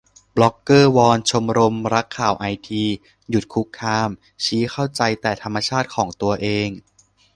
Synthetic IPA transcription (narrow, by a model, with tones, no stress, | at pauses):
blɔ˦˥kːɤː˥˩wɔː˧nt͡ɕʰo˧mɾo˧mɾa˦˥kʰːaː˨˩wʔa˧jt̪ʰiː˧ | ju˨˩t̪̚kʰu˦˥kʰːaː˧m | t͡ɕʰiː˦˥kʰa˥˩wt͡ɕa˧jt̪ɛː˨˩t̪ʰa˧mːa˧t͡ɕʰaː˥˩t̪̚kʰɔː˩˦ŋt̪u˧ɐʔeː˧ŋ